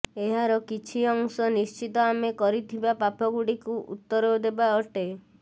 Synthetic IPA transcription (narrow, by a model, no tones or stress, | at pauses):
eɦaɾɔkit͡ʃʰiɔŋsɔnist͡ʃit̪ɔamekɔɾit̪ʰibapapʰɔɡuɽikuʔṵt̪ːɔɾed̪ebaɔʈe